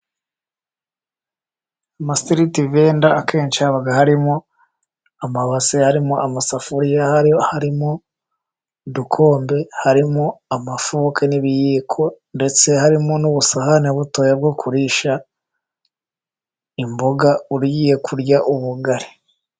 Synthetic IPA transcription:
amastiɾitive̞ːndaːke̞ːnt͡ʃaβaɡahaɾimo | amaβasehaɾimoamasafuɾijahhaɾimo | dukʰo̞ːmbe̞haɾimoamafukʰeniβijikʰo̞nde̞t͡se̞haɾimonuβusahaneβuto̞ːjab̚ɡokʰuɾiːʃa | imboɡauɾujije̞kʰuɾɟaʔuβuɡaɾe

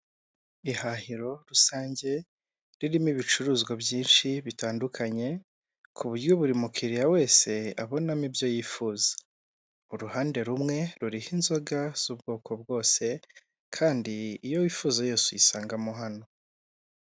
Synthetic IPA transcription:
ihahiɾo̞ɾusaːɲɟe̞ | ɾiɾimiβit͡ʃuɾuːzɡabjiːnʃiβitaːndukʰaɲe̞ | kʰuβuɾjoβuɾimukʰiɾijawe̞ːse̞aβo̞namibjo̞jiːfuzḁ | uɾuhaːnde̞ɾumŋe̞ɾuɾihinzo̞ɡaz̥ubɡo̞ːkʰo̞b̚ɡo̞ːse̞ | kʰaːndiːjo̞wiːfuːzajeːsujisaːŋɡamoɦano̞

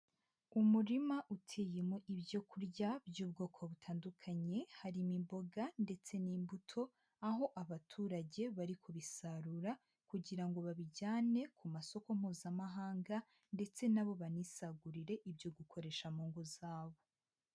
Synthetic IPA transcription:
umuɾimaʔutʰeːjemoʔibjo̞kuɾɟabjuːbɡo̞ːkʰoβutʰaːndukʰaɲe̞haɾimimbo̞ɡande̞t͡se̞niːmbutʰo̞ | aɦo̞ʔaβatʰuːɾaɟe̞βaɾikʰoβisaɾuɾa | kuɟiɾaŋɡo̞βaβiɟaːne̞kumaso̞ko̞m̥huːzamaɦaːŋɡa | nde̞t͡se̞naβo̞βanisaɡuɾiɾe̞ʔibjo̞ɡukʰo̞ɾe̞ːʃamoːŋɡozaːβo̞

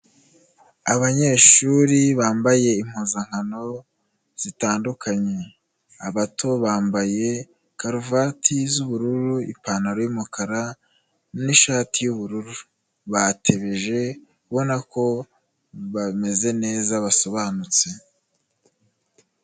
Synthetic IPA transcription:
aβaɲe̞ʃuɾiβaːmbaje̞im̥huːzaŋ̥hano̞ | z̥itaːndukʰaɲe̞ | aβatʰo̞βaːmbaje̞ | kaɾuvatʰizuβuɾuɾuḭpaːnaɾojumukʰaɾa | niʃaːtijuβuɾuɾuu | βatʰe̞βe̞ʒe̞kuβo̞nako̞ | βame̞ze̞ne̞ːzaβaso̞βanut͡se̞

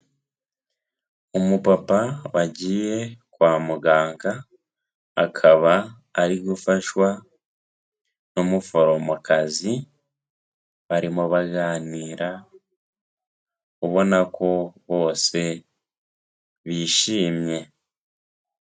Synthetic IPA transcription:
omupapawaɟiːje̞kwaːmuɡaːŋɡaː | kʰaβaː | ɾiɡufaʃwa | nomufoɾomukazi | βaɾimuβaɡaːniːɾa | kuβo̞nakʰo̞βo̞ːse̞ | βiʃiːmje̞

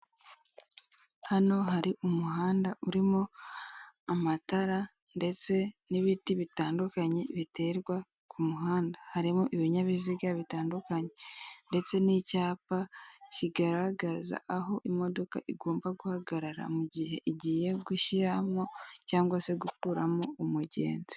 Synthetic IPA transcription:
hano̞ɦaɾiʔumuɦaːndaʔuɾimo̞ | amataɾa | nde̞t͡se̞niβitiβitaːndukaɲe̞βite̞ɾɡwa | kʰumuɦaːndahaɾimoʔiβiɲaβiziɡaβitaːndukaɲe̞nde̞t͡se̞nicaːpaciɡaɾaɡaza̰aɦo̞ʔimo̞do̞ka̰ʔiɡo̞ːmbaɡuhaɡaɾaɾa̰muɟihe̞ʔiɟije̞ɡuʃiɾamŋo̞caːŋɡwase̞ɡukuɾamoumuɟḛːnzi̥

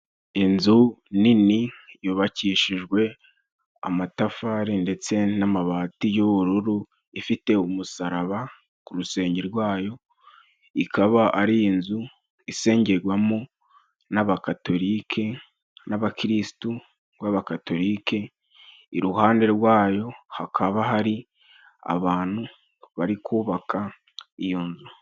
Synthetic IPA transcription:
inzuninijuːβaciːʃiʒɡwe̞ | a̰matafaɾinde̞t͡se̞namaβaːtijuβuɾuɾu | ifite̞umusaɾaβa | kuɾuse̞ːɲɟeɾɡwaːjo̞ | ikʰaβaʔaɾiːnzu | ise̞ːɲɟe̞ɡwamu | naβakato̞ɾiːkʰe̞ | naβakiɾisi̥tu | waβakato̞ɾikʰe̞ | iɾuhaːnde̞ɾwaːjo̞hakʰaβaɦaɾi | a̰βaːn̥hu | βaɾikʰuːβakʰa | ijo̞nzu

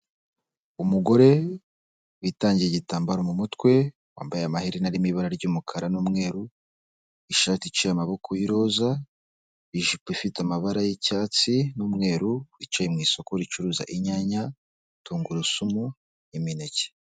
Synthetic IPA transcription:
umuɡo̞ɾe̞ | witaːɲɟijeɟitaːmbaɾomumutwe̞ | wa̰ːmbajeamahiɾinaɾimiβaɾaɾɟuːmukʰaɾanuːmŋe̞ːɾu | iʃaːtit͡ʃijamaβo̞kʰojiɾo̞za | iʒipifitamaβaɾajicaːt͡sinuːmŋe̞ːɾuwit͡ʃajimŋiːso̞koɾit͡ʃuɾuːza̰ʔiɲaːɲa | tuːŋɡuɾisumu | iminece̥

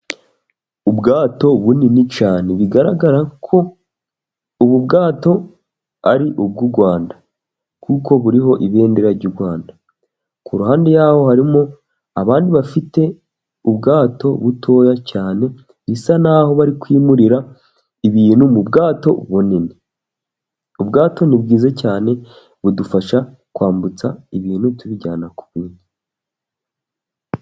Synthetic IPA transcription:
ubɡaːto̞βuninit͡ʃaːne̞βiɡaɾaɡaɾakʰo̞ | uβub̚ɡaːto̞ | aɾiʔub̚ɡuɾɡwaːnda | kuko̞βuɾiɦo̞ʔiβe̞ːndeɾaɾɟuɾɡwaːnda | kuɾuhaːnde̞jaːho̞haɾimo | aβaːndiβafite̞ | ubɡaːto̞βutʰo̞ːjacaːne̞ | nisanaːho̞βaɾikwiːmuɾiɾa | iβiːn̥humubɡaːto̞̰βunine | ubɡaːto̞nibɡiːzecaːne̞ | βudufaʃa | kwaːmbut͡saiβiːnhutuβiɟaːnaku̥βwiːni

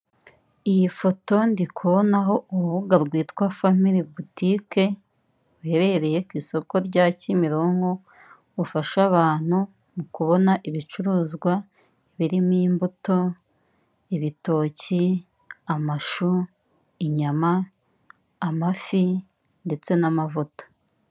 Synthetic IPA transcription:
ijifo̞to̞ndikʰuβonaɦo̞uɾβuɡaɾɡwiːtkwafamiɾibutike̞ | uhe̞ɾe̞ɾe̞je̞kwiːso̞ko̞ɾɟacimiɾoːŋɡo̞ | ufaʃaβaːn̥hu | mukuβo̞naʔiβit͡ʃuɾuːzɡwa | iβiɾimiːmbuto̞ | iβito̞ːci | amaʃu | iɲamaː | mafi | nde̞t͡se̞namavutḁ

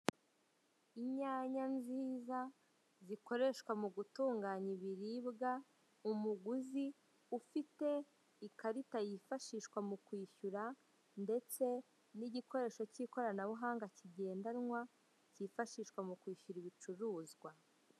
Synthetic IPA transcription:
iɲaːɲanziːza | ziko̞ɾe̞ʃkwamuɡutuːŋɡaːɲiβiɾiːbɡa | umuɡuzi | ufite̞ | ikaɾitajifaʃiʃkwamukwiːʃuɾa | nde̞t͡se̞ | niɟiko̞ɾe̞ːʃo̞ciːko̞ɾanaβuɦaːŋɡaciɟe̞ːndaɾŋwa | cifaʃiʃkwamukwiːʃuɾiβit͡ʃuɾuːzɡwa

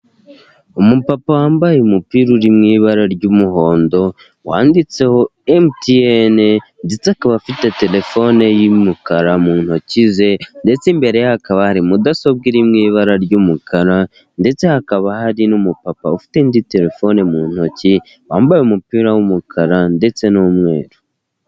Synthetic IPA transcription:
umupapawaːmbajeumupiːɾuɾimŋiːβaɾaɾɟumuɦo̞ːndo̞ | waːndit͡se̞ho̞emtienende̞t͡sehakaβafite̞te̞le̞fo̞nejimukaɾamuːn̥hocize̞nde̞t͡simbe̞ɾe̞jahakaβahaɾimudaso̞bɡiɾimŋiːβaɾaɾɟumukʰaɾa | nde̞t͡se̞hakaβahaɾinumupapa̰ufi̥tendite̞le̞fo̞ne̞muːn̥ho̞ci | waːmbajeumupiːɾawumukʰaɾande̞t͡se̞nomŋe̞̰ːɾu

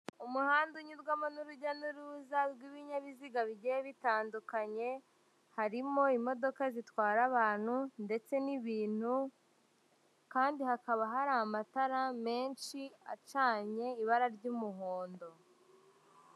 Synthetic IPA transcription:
umuhaːnduɲuɾɡwamonuɾuɟanuɾuːzaɾɡwiβiɲaβiziɡaβiɟejeβitaːndukaɲe̞ | haɾimo̞imo̞do̞kazitwaːɾaβaːn̥hunde̞t͡se̞niβiːn̥hu | kaːndihakaβaɦaɾaːmataɾame̞ːnʃia̰t͡ʃaːɲe̞iβaɾaɾɟumuɦo̞ːndo̞

